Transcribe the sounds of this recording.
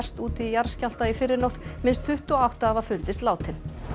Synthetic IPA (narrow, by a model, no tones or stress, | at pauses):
st̪uːt̪ijaɾ̥scal̥t̪aifɪɾːɪɾnowht̪mɪnst̪ʰʏht̪ɔawht̪aːvaðfʏnt̪ɪst̪laːwt̪ʰɪn